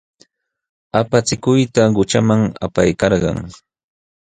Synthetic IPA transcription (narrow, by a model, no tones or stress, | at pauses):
apat͡sɪkʊjt̪aɢʊt͡ʃamaŋa̰pajkɑɾɢɑ̰ŋ